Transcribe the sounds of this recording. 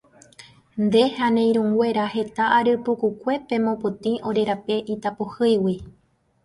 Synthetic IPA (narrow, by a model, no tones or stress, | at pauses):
nd̪e̞hanẽ̞j̃ɾũŋɡwe̞ɾaɦe̞t̪aʔaɾɨpukukʷe̞pẽ̞mõpot̪ĩʔo̞ɾe̞ɾape̞ʔit̪apohɨjwi